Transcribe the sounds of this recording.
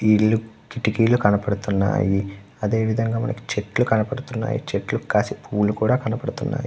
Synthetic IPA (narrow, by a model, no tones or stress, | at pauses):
iːɭːu | kiʈːikiːlukɐnɐpɐɽut̪unːa̰ːji | ɐd̪e̞ːʋid̪ʱɐŋɡaːmɐ̰nɐki̥t͡ʃeʈlukɐnɐpɐɽut̪unːa̰ːjḭt͡ʃeʈlukaːsipʰuːlukuːɽaːkɐnɐpɐɽut̪unːa̰ːji